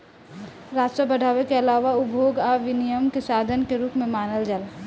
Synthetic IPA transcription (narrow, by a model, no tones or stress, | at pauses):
ɾaːd͡ʒsəbəɽʱaːʋekeɐlaːʋaʊbʱoːɡaːʋɪnijəmkesaːd̪ʱənkeɾuːpmẽmaːnəld͡ʒəl